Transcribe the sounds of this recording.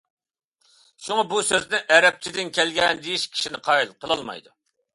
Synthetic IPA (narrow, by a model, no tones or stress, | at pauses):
ʃuŋɑbusøznɪʔɛɾɛp̚t͡ʃʰid̪ɪnkʲʰɛlɡʲɛnd̪ejiʃkʲʰi̥ʃinɪqʰɑilˠqʰəlˠɑlˠmɑ̰jd̪u